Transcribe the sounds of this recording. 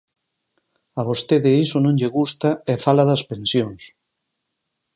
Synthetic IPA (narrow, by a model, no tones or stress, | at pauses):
ɐβost̪eðɪisonõŋʎeɣust̪ɐɛfalɐðɐspensjoŋs